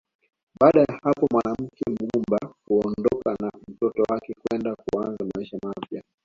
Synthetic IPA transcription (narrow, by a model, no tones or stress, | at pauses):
ɓaːɗajahapɔmwanam̩kɛm̩ɡɡumbakuɔnndɔkanam̩tɔtɔwakɛkwɛndakṵanzamaiʃamapja